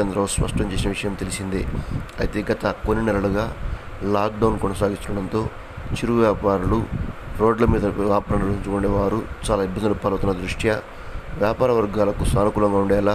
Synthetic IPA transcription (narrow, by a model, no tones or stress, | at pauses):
ɐnd̪ɾɐːspɐ̰ʂʈɐɲt͡ʃeːsinɐʋiʂɐjɐmt̪e̞lisind̪ḭɐjit̪e̞ːɡɐt̪ɐkonːinɛlɐɭuɡaː | laːk̚ɖɐwnkɔnɐsaːɡist̪unːɐɽɐnt̪o̞ː | t͡ʃiɾuʋjaːpaːɾuluɾo̞ːɖlɐmiːd̪ɐʋaːpɾɐɳɐiɲt͡ʃukoɳɖeːʋaːɾut͡ʃaːlaːibːɐnd̪ulupɐlɐut̪unːɐd̪ɾuʂʈjɐ | ʋjaːpaːɾɐʋɐɾɡaːlɐkusaːnukuːlɐŋɡaːuɳɖɛːlaː